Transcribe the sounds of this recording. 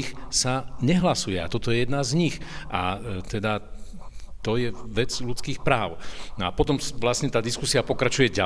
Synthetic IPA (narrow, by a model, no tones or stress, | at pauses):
xsaɲɛɦlasujɛa̰t̪ɔt̪ɔjɛjɛd̪nazɲixʔat̪ɛd̪a | t̪ɔjɛʋɛd͡zʎut͡skiːxpɾaːʊnɔapɔt̪ɔmʋlasɲɛt̪aːd̪iskusiapɔkɾat͡ʃujɛɟa